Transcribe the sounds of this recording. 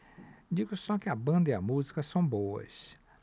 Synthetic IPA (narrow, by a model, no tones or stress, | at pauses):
d͡ʒiɡʊsɔkɪɐbɐ̃nd̪ɐiɐmuzikɐsɐ̃w̃bowɐ̰s